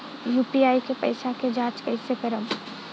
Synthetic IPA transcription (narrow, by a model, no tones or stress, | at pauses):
jupiajkepə̰ɪsaked͡ʒãt͡ʃkəɪsekəɾəm